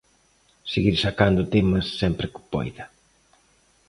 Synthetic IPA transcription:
seɣiɾsakand̪ʊt̪emɐsːɛmpɾɪkʊ̥pɔ̰jðɐ

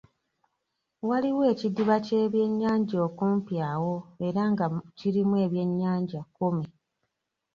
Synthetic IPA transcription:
waliwe̞ːcidiβaceːβje̞ɲːaːɲɟo̞ːkuːmpjaːwo̞e̞ɾaŋɡaciɾimwe̞ːβje̞ɲːaːɲɟakome

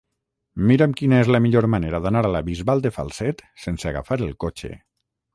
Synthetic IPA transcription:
miɾemkinaezlamiʎoɾmaneɾaðanaɾalaβizβalˠd̪efa̰lˠsɛt̪senseaɣa̰faɾelˠkot͡ʃḛ

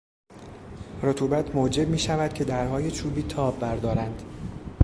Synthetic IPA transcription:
rot̪ʰuːbæt̪ʰmod͡ʒe̞b̚miːʃævæd̪̥̚cʰe̞d̪æɾɦɒːje̞t͡ʃʰuːbiːt̪ʰɒːbːæɾd̪ɒːɾænd̪̥

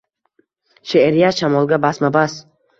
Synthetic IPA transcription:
ʃeʔeɾijaʃamɒlˠɡʲabasmabas

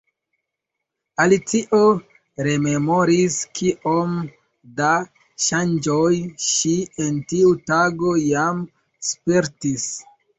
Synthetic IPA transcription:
alit͡siʔo | ɾe̞me̞mo̞ɾiskiʔo̞m | da | ʃand͡ʒojʃientiutaɡo̞jam | speɾtis

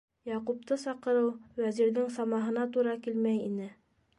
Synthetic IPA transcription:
jɑqup̚t̪ɤsɑqɤ̆ɾɤwwæziɾðɘŋsɑmɑɦɤ̆nɑt̪uɾɑkilmæjinɘ

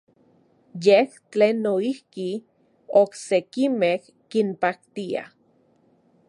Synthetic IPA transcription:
jeht͡ɬeːnːoihki | oksekimeh | kimpak̚t̪ia̰

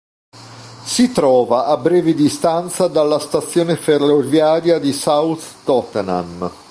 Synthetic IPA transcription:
sit̪ɾɔːvaʔabːɾɛːvid̪ist̪ant̪sad̪alːast̪at̪sːjoːneferovjaːɾjad̪isawt̪ː | ɔt̪na̰m

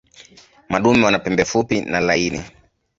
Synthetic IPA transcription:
maɗumɛwanapɛmbɛfupinalainḭ

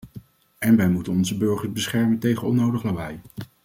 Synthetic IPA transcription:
ɛnʋɛjmutənɔnzəbɵɹχəɹzbəsχɛɹməntejχənɔnowdəχlaʋɛj

